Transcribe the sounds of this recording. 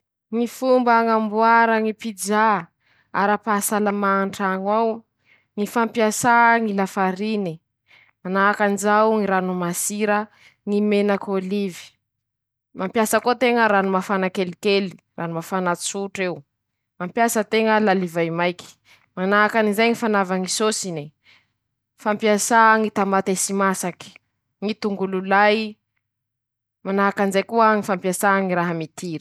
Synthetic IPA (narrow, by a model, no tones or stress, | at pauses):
ŋifumbaŋambuaɾəŋipid͡za | a̰ɾapasalamaɳʈ͡ʂaŋaw | ŋifampiasaŋilafaɾini | manakanizawŋiɾanumasiɾə | ŋimenakolivi̥ | mampjasəkot̪eŋəɾanumafanakelikeli̥ | rʔanumafanasuʈ͡ʂeu | mampjasət̪eŋəlalivajmajki̥ | manakanizajŋifanavaŋisosini | fampiasaŋit̪ambat̪esimasaki̥ | ŋit̪uŋɡululaj | manaakanizajkuəŋifampjasaŋiɾaɦəmit̪iɾ